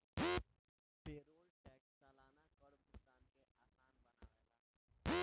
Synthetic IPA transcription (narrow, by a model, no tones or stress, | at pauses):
peɾoːlʈɛːksəlaːnakəɽmusaːnt̪eʔaːsaːnbəna̰ːʋela̰ː